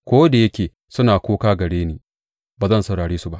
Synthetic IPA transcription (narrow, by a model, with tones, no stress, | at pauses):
kʷoː˦da˨jɐ˦kʲeː˨ | sʊ˦naː˨kʷoː˦kaː˦ɡɐ˨ɽeː˦niː˦ | baː˨zɐ˦˨nsɐ˨ɽaː˨ɽeː˦su˦ba˦ʔ